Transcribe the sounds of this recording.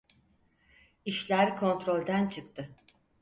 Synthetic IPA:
iʃlʲæɾkʰo̞nt̪ɾo̞lʲd̪ænt͡ʃʰɯk̚t̪ʰɯ

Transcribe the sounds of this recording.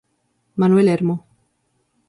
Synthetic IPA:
manuelɛɾmo

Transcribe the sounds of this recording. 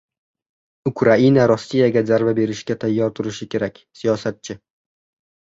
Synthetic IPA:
ʊkʰɾainaɾɒsːijaɡʲazaɾvabe̞ɾɪʃɡʲat̪ʰajːɒɾt̪ʰʊɾɪʃɪkʲe̞ɾakʲsijɒsat̪̚t͡ʃʰɪ

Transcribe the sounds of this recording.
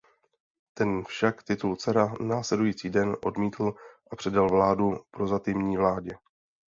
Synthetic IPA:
t̪ɛnfʃakt̪ɪt̪ult͡sɛɾanaːslɛdujiːt͡siːdɛnʔo̞̰dmiːt̪l̩ʔapr̥ɛdalvlaːdupɾo̞zat̪ɪmɲiːvlaːɟɛ

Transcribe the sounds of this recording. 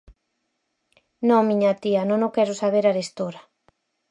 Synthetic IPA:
nõmĩɲat̪iɐnõŋõkɛɾʊsaβ̞eɾaɾest̪oɾa

